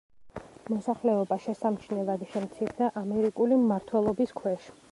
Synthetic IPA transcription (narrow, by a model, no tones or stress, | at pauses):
mɔsaχlɛɔbaʃɛsamt͡ʃʰnɛlˠad̪ʃɛmt̪sʰiɾd̪aʔamɛɾikʼulimmaɾt̪ʰwɛlˠɔbiskʰwɛʃ